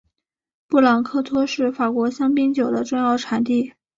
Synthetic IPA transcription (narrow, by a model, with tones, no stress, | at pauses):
pu˥˩lɑ˨˩ŋkʰɤ˥t̪ʰwɔ˥ʂɻ̩˥˩fa˨˩kwɔ˧˥ɕjɑ˥ŋpi˥ŋt͡ɕjo˨˩ʊd̪ə˦ʈ͡ʂʊ˥˧ŋjɑ˥˩ʊʈ͡ʂʰa˨˩nt̪i˥˩